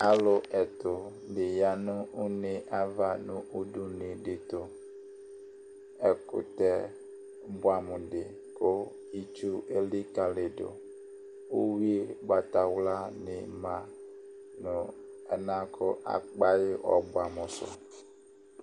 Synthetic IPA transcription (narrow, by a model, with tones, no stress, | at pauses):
a˨lʊ˨ʔɛ˨tʊ˨ | dɪ˨ja˨nʊ̃˦ʊ˦nɪ˨ʔa˦va˨nʊ̃˦ʔu˦du˨nɪ˨dɪ˨tʊ˨ | ɛ˨kʊ̰˨tɛ˦ | bʊ˨a˨mʊ˨dɪ˨ | kʊ˦ | i˦t͡ʃu˦e˦li˦ka˨lɪ˨dʊ̰˨ | u˦wi˦ɡ͡ba˨ta˨wla˦nɪ˨mã˨ | nʊ˨ɛ˨nã˦kʰʊ˦ʔa̰˨k͡pa˦jɪ˦ʔɔ˨bʊ˨a˨mʊ̃˨sʊ̰˨